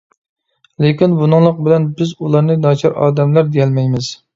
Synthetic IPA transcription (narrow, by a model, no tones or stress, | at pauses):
lekʲinbunɨŋlˠəq̚bɪlɛnbɪzulˠɑɾnɨnɑt͡ʃʰɑɾɑ̰ːd̪ɛmlæɾd̪ejɛlmɛjmɪz̥